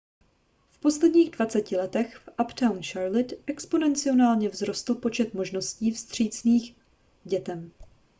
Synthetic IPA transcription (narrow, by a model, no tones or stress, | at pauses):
fpo̞slɛdɲiːɣdvat͡sɛcɪlɛt̪ɛxfʔapt̪awnʃaɾlɪt̪ʔɛkspo̞nɛnt͡sɪo̞naːlɲɛvzɾo̞st̪l̩po̞t͡ʃɛt̪mo̞ʒno̞sciːfst̪r̝̥iːt͡sniːx | ɟɛt̪ɛm